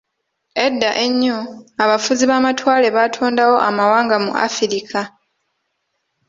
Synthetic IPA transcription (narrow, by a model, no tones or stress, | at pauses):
e̞dːaʔe̞ɲːoaβafuziβaːmatwaːle̞βatʰoːndawo̞ʔa̰mawaːŋɡamṵʔa̰fiɾikʰa